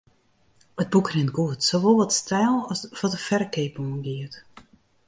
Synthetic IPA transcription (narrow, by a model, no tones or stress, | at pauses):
əd̚bukrɪnɡuətsoʋolˠʋɔtstʰɛːlˠɔsʋɔtəfɛrkeːpuənɡiət